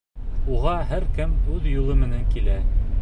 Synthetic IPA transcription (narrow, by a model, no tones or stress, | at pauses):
uʁɑɦæɾkɘmʉðjulˠɤmɘ̆næŋkilæ